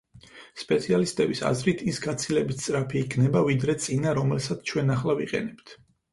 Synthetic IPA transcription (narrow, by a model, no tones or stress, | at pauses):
spʼɛt̪sʰialist̪ʼɛbisa̰zɾit̪ʰisɡat̪sʰilɛbit̪ʰt̪sʼɾapʰiːkʰnɛbavid̪ɾɛt̪sʼinaɾɔmɛlsat̪sʰt͡ʃʰwɛnaχlˠaviqʼɛ̰nɛpt̪ʰ